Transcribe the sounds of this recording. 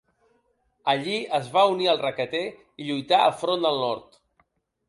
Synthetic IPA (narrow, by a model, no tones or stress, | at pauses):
əʎiəzβauniəlˠrəkət̪e | iʎujt̪aə̰lfɾond̪əlˠnɔɾt̪